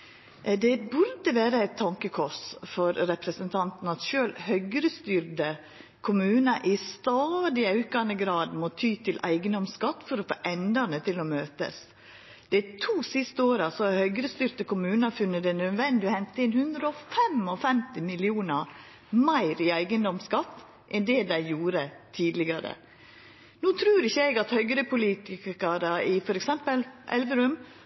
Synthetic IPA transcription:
d̪ɛbʉɾd̪əʋæːɾəæɪt̪ʰːɑŋkəkʰʊʂfɔɾɾɛpɾəsənt̪ʰɑnt̪n̩ɑt̪ʃøːlhœʏɡɾəst̪yːɾd̪ə | kʰʊmʉːnɑʔɪst̪ɑːd̪ɪɑʉkɑnəɡɾɑːd̪mɔt̪ʰyːt̪ʰɪlʔæ̰ɪɡənd̪ɔmskɑt̪ːfɔɾɔfo̰ːʔɛnd̪ənət̪ʰɪlɔmøːt̪ə̰s | d̪̥ɛt̪ʰuːsɪst̪əoːɾɑsɔhɑɾhœʏɡɾəst̪ʏɾt̪əkʊmʉːnəfʉnːət̪ɛnœd̪ʋɛnd̪ɪɔhɛnt̪əɪnhʉnd̪ɾəɔfɛmɔfɛmt̪ɪmɪlɪuːnəɾ | mæɪɾɪæɪɡənd̪ɔmskɑt̪ː | ʔɛnd̪ɛd̪æɪjuːɾət̪ʰiːd̪lɪɡɑɾə̰ | nuːt̪ʰɾʉːɾɪçːəɛɡɑt̪hœʏɡɾəpʰʊliːt̪ɪkkɑɾəɪfɔɾɛksɛmpəlʔɛ̰lʋəɾʉm

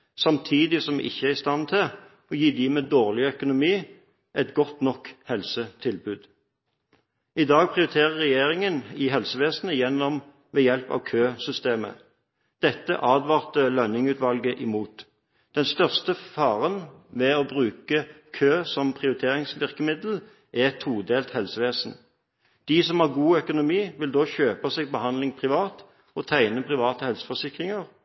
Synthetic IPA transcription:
sɑmt̪ʰiːd̪ɪsɔmʔɪ̰çːəæʁɪst̪ɑnt̪ʰɪl | ɔjiːd̪iːmɛd̪oːʁlɪœkʊnʊmiː | ʔɛt̪ɡɔt̪nɔkhɛlsət̪ʰɪlbʉːd̪ | ɪd̪ɑːɡ̚pʰʁɪʊɾɪt̪ʰeːʁəʁːɛjeːʁɪŋənɪɦɛlsəʋeːsnəjɛnːɔm | ʋɛːjɛlpɑ̰ːʋkʰøːsʏst̪eːmə̰ | d̪̥ɛt̪ːə̰ʔɑːd̪ʋɑːʁt̪əlœnɪŋʉːt̪ʋɑlɡəʔɪmuːt̪ | d̪̥ɛnst̪œʁst̪əfɑːʁənʋɛɔbʁʉːkəkʰøːsɔmpʰʁɪʊʁɪt̪ʰeːʁɪŋsʋɪʁkəmɪd̪l̩ | ɛt̪ʰuːd̪eːlt̪hɛlsəʋeːsn̩ | d̪̥isɔmhɑʁɡuːœkʊnʊmiːʋɪld̪oːçøːpɑseːɡ̚bəhɑnd̪lɪŋpʰʁɪʋɑːt̪ | ɔt̪ʰæɪnəpʰʁɪʋɑːt̪əhɛlsə̥fɔsɪkʁɪŋəʁ

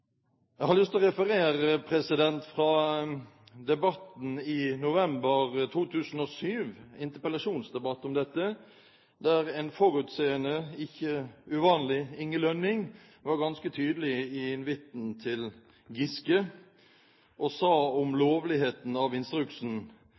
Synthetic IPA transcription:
jæɛɪhɑɾlʏst̪ɔʁɛfəɾeːɾəpʰɾɛsɪd̪ɛnt̪fɾɑ | d̪ɛbɑt̪n̩ɪnʊʋɛmbəʁt̪ʰuːt̪ʰʉːsn̩ɔːsyːʋɪnt̪əpəlɑʂuːnsd̪ɛbɑt̪ːɔmd̪ɛt̪ːə | d̪æʁɛːnfɔɾʉt̪seːənəɪçəʉʋɑːnlɪɪŋːəlœnːɪŋ | ʋɑɾɡɑnskət̪ʰyːd̪əlɪɪɪnʋɪt̪nt̪ʰɪl | ɡɪskə | ʔɔsɑːɔmloːʋlɪheːt̪n̩ɑʋɪnst̪ɾʉksn̩

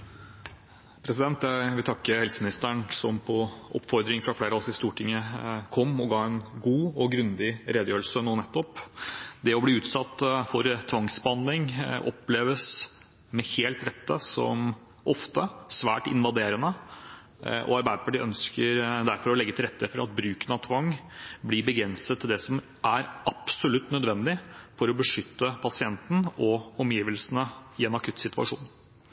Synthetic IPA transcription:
pʰɾɛsɪd̪ɛnt̪æɪʋɪlt̪ʰɑkːəhɛlsəmɪnɪst̪əɳsɔmpʰɔʔɔ̰pːfɔɾd̪ɾɪŋfɾɑfleːɾəɔsɪst̪uːʈʰɪŋːəkʰɔmːɔɡɑːɛnɡuːɔɡɾʉnd̪ɪɾeːd̪əjøːəsənuːnɛt̪ːɔpd̪ɛɔbliːʉːt̪sɑt̪ːfɔɾt̪ʰʋɑŋsbəhɑnd̪lɪŋʔɔ̰pːleːʋəs | mɛheːlt̪ɾɛt̪ʰːəsɔ̰m | ʔɔft̪əsʋæ̰ːʈɪ̰nʋɑd̪eːɾənə | ʔɔ̰ɑɾbæɾpʰɑɖɪʔœnskəɾd̪æɾfɔɾɔlɛɡːət̪ɪlɾɛt̪ːəfɔɾɑt̪̚bɾʉːkənəɑt̪ʰʋɑŋːblɪɾbəɡɾɛnsət̪ʰːɪld̪ɛsɔm | æɾʔɑpsɔlʉt̪ːnœd̪ʋɛnd̪ɪfɔɾɔbəʂʏt̪ːəpʰɑsɪɛnt̪n̩ɔɔmjiːʋəlsənəɪɛnɑkʰʉt̪sɪt̪ʉɑ̰ʂṵːn

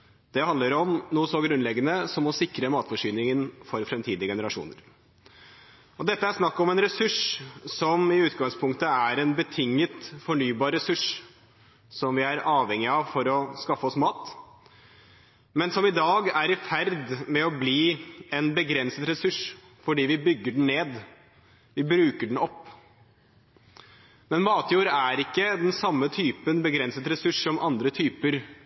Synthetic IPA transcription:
d̪̥ɛhɑnd̪ləɾɔmnuːəsɔɡɾʉnlɛɡːənəsɔmɔsɪkɾəmɑːt̪fɔʂyːnɪŋənfɔɾfɾɛmt̪ʰiːd̪ɪəɡɛnəɾɑʂṵːnə̰ɾ | ɔd̪ɛt̪ːəæɾʂnɑkːɔmɛnɾɛsʉʂsɔmɪʉːt̪ɡɑŋspʰʊŋkt̪əæɾɛnbət̪ʰɪŋːət̪fɔɳyːbɑːɾɛsʉʂ | sɔmʋɪæɾɑːʋhɛŋːɪɑʋfɔɾɔskɑfːəɔsmɑːt̪ | mɛnsɔmɪd̪ɑːɡæɾɪfæɾd̪mɛɔbliːɛnbəɡɾɛnsət̪ɾɛsʉʂ | fɔɖiːʋɪbʏɡːəɖɳ̩neːd̪ | ʋɪbɾʉːkəɖɳ̩ɔpː | mɛnmɑːt̪juːɾəæɾɪkːəd̪ɛnsɑmːət̪ʰyːpənbəɡɾɛnsət̪ɾɛsʉʂsɔmʔɑnd̪ɾət̪ʰyːpəɾ

